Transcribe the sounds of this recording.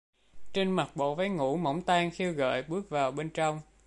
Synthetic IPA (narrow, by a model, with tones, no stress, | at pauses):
t͡ɕe˧nma˨˩k̚ɓo̰˧˨va˨˦jŋṵ˧˥mə̰˧˥wŋ͡mt̪aː˧ŋxi˧wɣə̰ː˧˨jɓɨ˦˥ək̚vaː˨˩wɓe˧nt͡ɕɔ˧wŋ͡m